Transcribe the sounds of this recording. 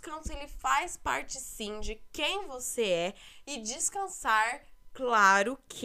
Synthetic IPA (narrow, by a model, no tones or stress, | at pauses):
kɐ̃sʊelɪfajspa̰ɾt͡ʃɪsĩd͡ʒɪkẽj̃voseɛɪd͡ʒɪskɐ̃saɾklaɾʊkʰ